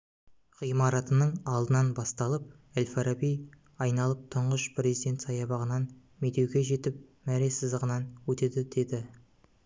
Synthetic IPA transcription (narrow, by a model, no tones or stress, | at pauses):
χijmɑɾɑt̪ənəɴɑlˠd̪ənɑnbɑst̪ɑlˠəp̚ | elʲfaɾabij | ɑjnɑlˠəp̚t̪ʰʊɴʁəʃpʰɾʲe̞zijd̪ʲe̞nt̪sɑjɑbɑʁənɑn | met̪e̞wɡʲe̞ʒe̞t̪ɪp̚mæɾe̞sɪzd̪əʁənɑnwɵt̪e̞d̪ɪd̪̥e̞d̪ɪ